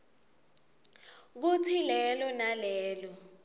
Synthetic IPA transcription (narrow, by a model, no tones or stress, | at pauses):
k̬utʰilɛlɔnalɛːlɔ